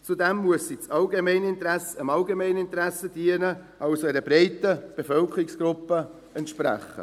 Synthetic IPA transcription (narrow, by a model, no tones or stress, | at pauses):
t͡sud̪ɛmːuəsːit͡sɑlɡemɛɪnəɪnt̪ɾæsəəmɑlɡemɛɪnəɪnt̪ɾæsːəd̥iənə | ʔɑʊsoɛɾəbɾɛɪtəb̥efœlkəɾɪksɡ̥ɾʊpːə | ɛnt̪ʃpɾæ̰χːə̰